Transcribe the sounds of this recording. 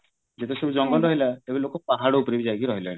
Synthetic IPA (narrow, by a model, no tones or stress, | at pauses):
d͡ʒet̪esubud͡ʒɔŋɡɔlɾɔɦilaebilokɔpaɦaɽɔupɔɾibid͡ʒajkiɾɔɦilãe